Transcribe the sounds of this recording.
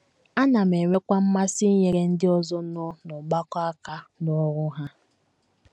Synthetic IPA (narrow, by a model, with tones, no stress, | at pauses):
a˦na˨me˨ŋʷe˦kʷa˦m̩˦ma˦si˦ɲe˦ɾe˦n̩˦dɪ˦ɔ˦zɔ˦nʊ˦nʊ˨ɡ͡ba˦kɔ˦a˦ka˦nɔ˦ɾʊ˦ɦa˦